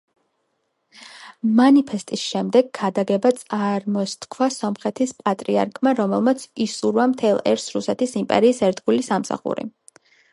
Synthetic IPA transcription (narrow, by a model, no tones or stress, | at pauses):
manipʰɛst̪ʼisʃɛmd̪ɛɡ̚ɡad̪aɡɛbat̪sʼaɾmɔst̪kʰwasɔmχɛt̪ʰispʼat̪ʼɾia̰ɾkʰmaɾɔmɛlˠmat̪sʰisuɾvamt̪ʰɛlˠɛ̰ɾsɾusɛt̪ʰisimpʼɛ̰ɾiːsɛɾd̪ɡulisamsa̰χṵɾḭ